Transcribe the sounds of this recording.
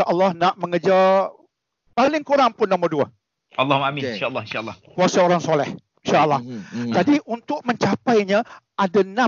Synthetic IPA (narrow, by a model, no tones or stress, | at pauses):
aʔəlˠːɑhnaʔmə̃ŋəd͡ʒa | palɪŋkuɾaŋpʊnːomərdua | ʔalˠːɑhmamɪninʃaʔəlːɑhinʃalːɑkuasaoɾaŋsolɛh | inʃaʔəlːɑhd͡ʒadiʔunt̪ʊk̚mə̃ɲt͡ʃapajɲã | adanã